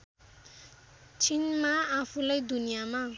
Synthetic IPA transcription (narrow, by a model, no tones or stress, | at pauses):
t͡sʰinmaapʰulajd̪unijama